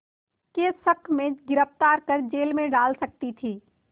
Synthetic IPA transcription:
kesəkʰmẽɡɪɾəft̪aːɾkəɾd͡ʒeːlmẽɖaːlsɐk̚t̪it̪ʰiː

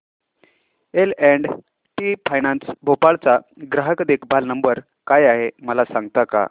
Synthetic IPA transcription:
elɛɳɖ | ʈipʰajnansbʱopaɭt͡saɡɾaɦəkd̪ekʰbʱalnəmbəɾ | kajaɦeməlasãŋɡt̪aka̰

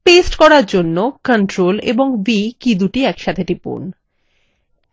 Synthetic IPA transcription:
pesʈkɔɾaɾd͡ʑonːokəɳʈɾolḛboŋbikid̪uʈiɛkʃat̪ʰeʈipo̰n

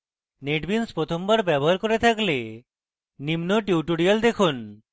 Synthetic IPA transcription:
neʈbinspɾot̪ʰombaɾbɛboɦaɾkoɾet̪ʰakle | nimnoʈiuʈuɽiald̪ekʰun

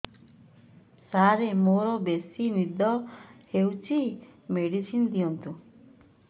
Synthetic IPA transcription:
saɾemoɾɔbesinid̪ʱɔhewt͡ʃʰimeɽisind̪iɔnt̪ũ

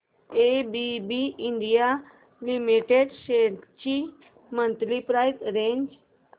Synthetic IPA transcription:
ebibiĩɳɖija | limiʈeɖʃet͡ʃi | mənt̪lipɾajzɾẽɲd͡ʒ

